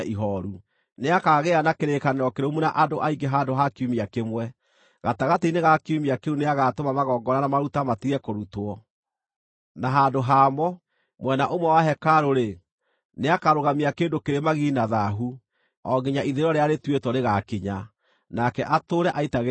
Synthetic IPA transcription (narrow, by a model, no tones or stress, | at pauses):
iɦɔɾu | neakaɣeanakeɾekaneɾɔkeɾomunaʔadoʔaiɡeɦaːndoɦakiumiakemwɛ | ɣataɣateineɣakeumiakeuneaɣatomamaɣɔːɡɔɾanamaɾutamatiɛkoɾutwɔ | naɦandoɦaːmɔ | mwɛnaʔomwɛwaɦɛkaɾoɾe | neakaɾoɣamiakeːndokeɾemaɣinaðaɦu | ɔɡiɲaʔiðeɾɔɾeaɾetwetɔneɣakiɲa | nakɛʔatoːɾɛʔaitaɣ